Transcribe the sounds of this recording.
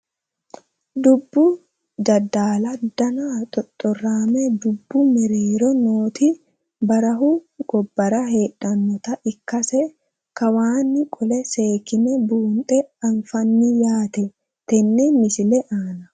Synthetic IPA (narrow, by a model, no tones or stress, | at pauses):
d̪ʊbːʊ | d͡ʒɐd̪aːlɐd̪ɐnat̪ʼɔt̪ʼːɔrːaːmɛd̪ʊbːʊmɛɾeːɾɔnoːt̪ɪ | bɐɾɐɦuɡɔbːɐɾɐhe̞ːᶑɐnːɔt̪ɐʔɪkːɐsɛ | kɐwaːnːɪkʼɔlɛse̞ːkɪmɛbuːnt̪ʼɛɐnfɐnːɪjaːt̪ɛ | t̪ɛnːɛmɪsɪlɛʔaːnɐ